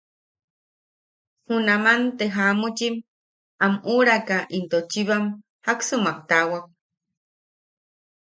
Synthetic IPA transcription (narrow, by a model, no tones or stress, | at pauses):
hunamant̪eɦamut͡ʃim | amuɾakaʔint̪ot͡ʃiβam | haksɨmak̚t̪awak̚